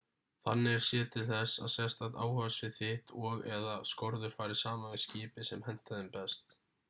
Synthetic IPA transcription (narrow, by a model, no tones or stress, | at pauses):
θanːɪɛɾ̥sjɛːt̪ʰɪlθɛsːa̰ðsɛst̪at̪a̰ːwhœsvɪðθɪht̪ɔɣɛðaskɔɾðʏɾ̥faːɾɪ̥saːmaɪscɪːpɪsɛmhɛn̥t̪aðɪmpɛst̪